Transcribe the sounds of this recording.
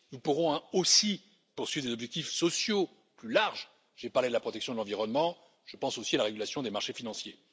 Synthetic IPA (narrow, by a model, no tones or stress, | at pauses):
nupuʁɔ̃osi | puʁswɥivʁd̪ezɔbʒɛk̚t̪ifsɔsjo | plylaʁʒ | ʒ̥epaʁled̪əlapχɔt̪ɛksjɔ̃d̪əlɑ̃viʁɔnmɑ̃ | ʒ̥əpɑ̃sosialaʁeɡʲylasjɔ̃d̪emaʁʃefinɑ̃sje